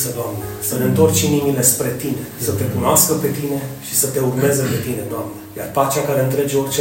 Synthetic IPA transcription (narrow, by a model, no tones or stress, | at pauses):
səd̪oamnesəle̞ɨnt̪o̞rt͡ʃinimile̞spɾe̞t̪ine̞sət̪e̞kunoaskəpe̞t̪ine̞ʃi̥sət̪e̞urmɾe̞zəpe̞t̪ine̞d̪oamnəja̰rpat͡ʃakaɾe̞ɨnt̪ɾe̞d͡ʒeo̞rʲt͡ʃe